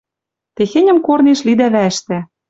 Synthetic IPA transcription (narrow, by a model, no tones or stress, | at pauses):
t̪exenʲɘ̆mkorneʃlid̪æβæɘ̆ʃt̪æ